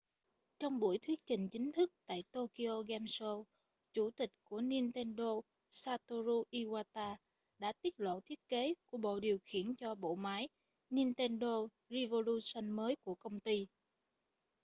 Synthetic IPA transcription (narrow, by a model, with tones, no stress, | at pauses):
t͡ɕɔ˧wŋ͡mɓu˧˩əjt̪ʰwi˦˥ət̚t͡ɕï˨˩ŋ̟t͡ɕï˨˦ŋ̟t̪ʰɨ˦˥k̚t̪a̰ː˧˨jt̪o˧ki˧ʔo˧ɣɛ˧mso˧ | t͡ɕu˧˩t̪ï˨˩k̟̚ku˧˩əni˧ənt̪ɛ˧nɗo˧ | saː˧t̪o˧zu˧ʔi˧waː˧t̪aː˧ | ɗa̰ː˧˥t̪i˦˥t̚lo̰˧˨t̪ʰi˦˥ət̚ke˨˦ku˧˩əɓo̰˧˨ɗi˨˩əwxḭ˧˩ənt͡ɕɔ˧ɓo̰˧˨maː˨˦j | ni˧nt̪ɛ˧nɗo˧ | zi˧vo˧lu˧sə˧nməː˨˦jku˧˩əkə˧wŋ͡mt̪i˧